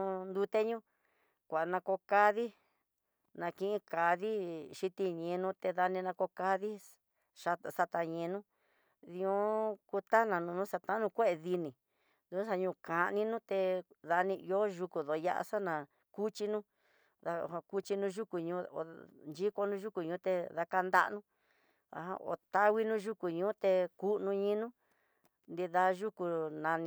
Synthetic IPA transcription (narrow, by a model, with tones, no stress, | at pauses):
nd̪u˧t̪e˦ɲũ˦ | kʷa˨nã˧ko˧ka˧ði˦ | nã˧kĩ˧ĩ˧ka˨ði˦ʃi˧t̪i˧ɲẽ˧nũ˧˦t̪e˧ða˧nĩ˧nã˧ko˧ka˧ði˦ | ʂa˧˨sa˧t̪a˧ɲẽ˧nũ˦ | ðĩ˧ũ˦ku˧t̪a˦nã˨nũ˧nũ˦sa˧t̪ã˦nũ˧kʷe˦ʔe˧ði˧nĩ˨ | d̪ũ˧˦sa˧ɲũː˧ka˨nĩ˧nũ˦t̪e˧ða˧nĩ˧o˦ʒu˧ku˨ðo˨ja̰˦ʔa̰˧sa˦nã˨ | ku˦t͡ʃi˧nũ˦ | ða˧˨a˧ku˦t͡ʃi˧nũ˧˦ʒu˦ku˨ɲũ˧˦o̰˨nd͡ʒi˦ko˧nũ˦ʒu˦ku˨ɲũː˧˦t̪e˧ða˧ka˧nd̪a̰˦nũ˦ | a̰˨ã̰˧o̰˨t̪a˦wi˦nũ˦ʒu˦ku˨ɲũː˦t̪e˧ku˦nũ˧ɲĩ˧˦nũ˦ | nd̪i˧ða˧˦ʒu˦ku˧nã˧ñ˧